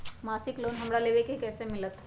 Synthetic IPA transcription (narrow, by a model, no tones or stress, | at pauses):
masiklonɦəmɽaleʋekikɛjsemilət̪